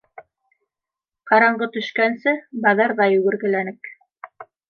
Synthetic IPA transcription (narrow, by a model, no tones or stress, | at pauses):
qɑɾɑɴɢɤt̪ɵ̆ʃkænsɘbɑðɑɾðɑjʉɡɘ̆ɾɡɘ̆lænɘk